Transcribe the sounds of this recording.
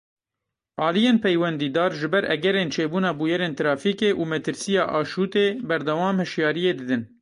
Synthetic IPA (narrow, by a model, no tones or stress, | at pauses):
ʔɑːlijeːnpʰɛjwɛnd̪iːd̪ɑːɾʒɨbɛɾʔɛ̰ɡɛɾeːnt͡ʃʰeːbuːnɑːbuːjɛɾeːnt̪ɾɑːfiːkeːʔuːmɛt̪ɨɾsijɑːʔɑːʃuːt̪eːbɛɾd̪ɛwɑːmhɨʃjɑːɾijeːd̪ɨd̪ɨn